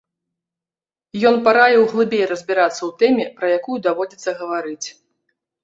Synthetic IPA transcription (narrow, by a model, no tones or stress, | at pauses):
jɔnpaɾajɛwɣlˠɨbʲejrɐzʲbʲiɾat̪sːɐwt̪ɛmʲɛpɾɐjakujud̪avɔd͡zʲit̪sːɐɣɐvaɾɨt͡sʲ